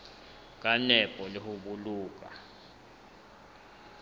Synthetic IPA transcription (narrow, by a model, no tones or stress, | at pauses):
k̬ʼanɛpʼɔlihuɓuluːk̬a̰